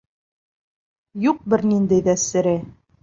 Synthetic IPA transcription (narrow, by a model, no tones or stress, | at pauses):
juq̚bɘɾnind̪æjðæsɘ̆ɾɘ